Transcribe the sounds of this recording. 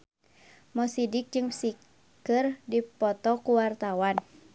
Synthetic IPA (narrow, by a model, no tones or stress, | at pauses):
mɔsidɪk̚d͡ʒɨŋsi | kɨrdipɔt̪ɔkuwart̪awan